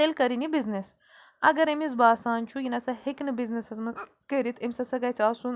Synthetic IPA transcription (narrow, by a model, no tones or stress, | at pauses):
elkɐɾinibiznes | ɐɡɐɾemizbaːsaːnt͡ʃʰujinɐsɐheknɨbiznesɐzmɐ | kəɾit̪ʰemʲsɐsɐɡɐt͡sʰʲaːsun